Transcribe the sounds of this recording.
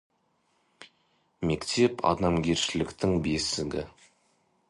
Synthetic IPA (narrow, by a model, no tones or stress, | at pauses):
me̞kt̪ʰe̞pʰɑ̰d̪ɑmɡʲeɾʃɪlɪkt̪ɪŋbe̞sɪɡʲɪ